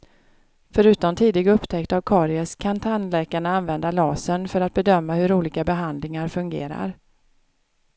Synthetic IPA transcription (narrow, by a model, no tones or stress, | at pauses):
fœɾʉ̟ːt̪ɔmt̪ʰiːd̪ɪɡɵpːt̪ʰɛkt̪avkʰɑːɾɪəskʰant̪ʰanlɛːkaɳəanvɛnd̪alɑːsənfœɾat̪̚bɛd̪œmːahɵɾuːliːkabɛɦand̪lɪŋaɾfɵŋɡḛːɾa̰ɾ